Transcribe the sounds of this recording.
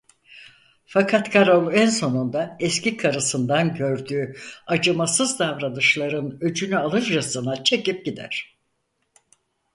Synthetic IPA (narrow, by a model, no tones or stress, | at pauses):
fakʰat̪kʰaɾolˠænso̞nund̪aɛscikʰaɾɯsɯnd̪anɟø̞ɾd̪yːad͡ʒɯmasɯzd̪avɾanɯʃlˠaɾɯnød͡ʒynyalˠɯɾd͡ʒasɯnat͡ʃʰe̞cip̚ɟid̪æ̰ɾ̥